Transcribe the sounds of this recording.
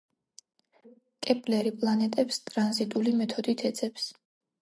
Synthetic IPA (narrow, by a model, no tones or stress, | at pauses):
kʼɛpʼlɛɾipʼlˠanɛt̪ʼɛpst̪ʼɾanzit̪ʼulimɛt̪ʰɔd̪it̪ʰɛt̪sʰʼɛps